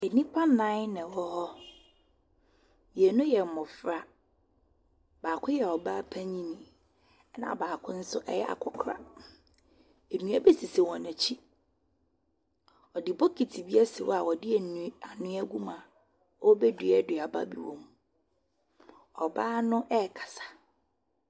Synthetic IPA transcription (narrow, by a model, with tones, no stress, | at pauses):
e˨nĩ˦pʰa˦nã˦ɪ˦nɪ̃˨wɔ˦hɔ˦ | ji˨ɛ˨nʊ̃˦jɛ˨mʊ̃˨fɾa˦ | baː˨kʰʊ̃˦jɛ˨ɔ˨baː˦pʰæ̃˦ɲĩ˦nĩ˨˦ | nã̰˨baː˨kʰʊ̃˦n̩˦sʊ˦ʔɛ˦jɛ̰˦a̰˨kʰɔ˨kʰɾa̰˨ | e˨nũ˦æ˦be˦si˨se˨wɔ̃˨nã˨t͡ɕʰi˦ | ɔ˨dɪ˨bɔ˦kʰi˨tʰi˨bi˦a˦sɪ˨wɔ˦a˨wɔ˨dɪ˦ɛ˨ñ˨˦a˨nʊ̃˦æ˦ɡu˦mã˨ | ɔ˦bɛ˦dɥɛ˦dɪ˨a˨ba̰˦bḭ˨wɔ̃˦m | ɔ˨baː˦nʊ̃˦ʔɛ˦˨kʰḁ˨sḁ˨